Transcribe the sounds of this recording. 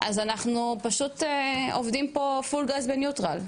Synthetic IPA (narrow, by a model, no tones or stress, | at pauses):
ʔazanaχnupaʃuteovdimpo̞fulɡazbenjutʁa̰l